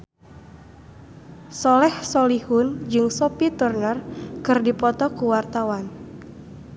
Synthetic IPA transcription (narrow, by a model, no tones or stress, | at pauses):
sɔlɛhsɔlihʊnd͡ʒɨŋsɔpit̪urnərkɨrdipɔt̪ɔkuwart̪awan